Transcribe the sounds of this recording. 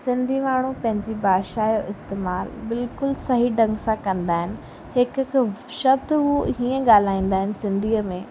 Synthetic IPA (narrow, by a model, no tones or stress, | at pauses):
sɪ̃nd̪ʱimaːɳ̤ũpɐ̃ɦɪ̃ɲd͡ʑibaːʃaːjoʔɪst̪eːmaːlbɪlkʊlsɐɦiɖɐ̃ŋɡsãkɐ̃nd̪aːɦɪnɪ̆ | hɪk | ʃɐbd̪ɦuɦiːə̃ɠaːl̤aːĩːn̆d̪aːɦɪnɪ̆sɪ̃nd̪ʱiːəmẽː